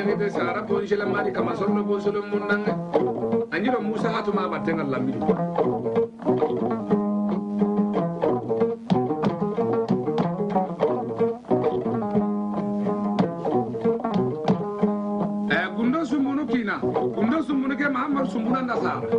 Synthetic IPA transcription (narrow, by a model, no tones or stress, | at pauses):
kitɛsaːɾabonʃ̬ɛlɛmaɾikamas̬ɔndobons̬olomːunːaŋɛ | aɲiɾomusaatumabatːɛŋalamːini | ɛɡundos̬umbunukinaɡundos̬umbunukɛmaamːaɾsumbunandasa̰ːɾa̰